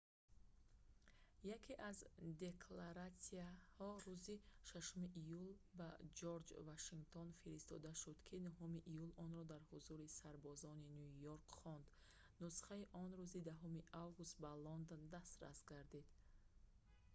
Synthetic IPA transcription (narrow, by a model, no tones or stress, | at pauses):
jakʰiʔazd̪e̞kʰlaɾat̪siahɔɾuziʃaʃumiʔijulbad͡ʒoɾd͡ʒvaʃiŋɡt̪ʰonfiɾist̪ɔ̰d̪aʃud̪̥kʰinuɦumiʔijulɔnɾɔd̪aɾhuzuɾisaɾbɔzɔninjujoɾkχɔnd̪ | nusχaiʔɔnɾuzid̪aɦumiʔavɡust̪̚balɔnd̪ond̪ast̪ɾa̰sɡaɾd̪id̪̥